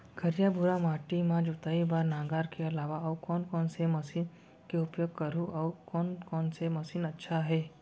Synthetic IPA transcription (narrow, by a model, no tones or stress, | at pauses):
ɡʰʱɐɾjabʱʊɾamaːʈimãd͡ʒoːt̪ɐibaːɾnãːɡaːɾkeɐlaːʋaɐukɔːnkɔːnsemɐsiːn | keʊpjoɡ̚kɐɾuʔɐkɔːnkɔːnsemɐsiːnɐtːʃʰaɦɛː